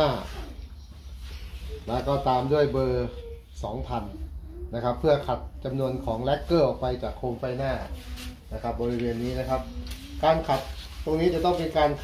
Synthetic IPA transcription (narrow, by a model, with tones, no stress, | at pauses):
aː˥˩ | lɛː˦˥kɔː˧˩t̪aː˧mdu˥˩əjbɤː˧ | sɔː˩˦ŋpʰa˧nna˦˥kʰa˦˥pʰːɯ˥˩ɐkʰa˨˩t̪̚t͡ɕa˧mnu˧ənkʰɔː˩˦ŋlɛ˦˥kːɤː˥˩ʔɔ˨˩k̚pa˧jt͡ɕaː˨˩kʰːoː˧mfa˧˩jnaː˥˩na˦˥kʰa˦˥p̚bɔː˧ɾi˦˧weː˧nːiː˦˥na˦˥kʰa˦˥p̚ | kaː˧nkʰa˨˩t̪̚ːo˧ŋniː˦˥t͡ɕa˨˩t̪ɔ˥˩ŋpe˧nkaː˧nkʰ